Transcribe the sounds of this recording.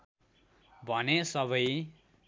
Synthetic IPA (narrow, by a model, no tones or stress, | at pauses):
bʱʌnesʌβʌj